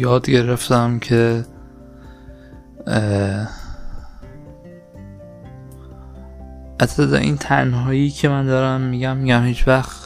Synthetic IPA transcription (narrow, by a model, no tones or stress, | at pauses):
jɒːd̪ɟe̞ɾe̞ft̪æmcʰe | æt̪ʰːed̪ɒ̰ʔḭːnt̪ʰæɾinɦɒːjiːcʰemænd̪ɒːɾæmːiːɟæmːiɟæmhiːt͡ʃvæxt̪